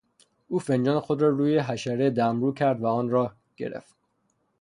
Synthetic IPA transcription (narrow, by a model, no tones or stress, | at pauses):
ʔuːfe̞nd͡ʒɒːnexod̪ɾɒːɾuːjeɦæʃæɾed̪æmɾuːcʰæɾd̪væɒːnɾɒːh | ɟ̥e̞̰ɾḛft̪